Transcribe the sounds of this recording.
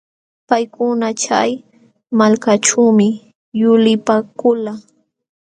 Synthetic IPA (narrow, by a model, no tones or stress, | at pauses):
pajkʊnat͡ʃaj | malkaʈ͡ʂuːmɪ | jʊlɪpakʊla